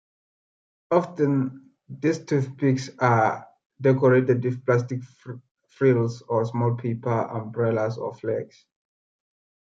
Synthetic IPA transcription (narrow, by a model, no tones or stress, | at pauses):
ɔftə̃n | distʰupiksa | dɛkɔɹetɛdwifplastik | fɹilsɔsmɔlpʰipəã̰mbɹɛlasɔ̰flɛɡs